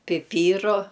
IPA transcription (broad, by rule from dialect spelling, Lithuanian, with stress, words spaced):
pʲɪˈpʲiːrʊ